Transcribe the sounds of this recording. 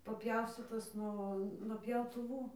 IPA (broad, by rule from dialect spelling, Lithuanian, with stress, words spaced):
pɐˈpʲjɛʊsʲtʲiːtoːs ˈnuɔ nuɔ pʲjɛʊtʊˈʋuː